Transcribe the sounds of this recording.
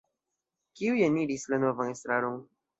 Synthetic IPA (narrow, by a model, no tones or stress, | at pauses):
kiujeniɾislanovanest̪ɾaɾoŋ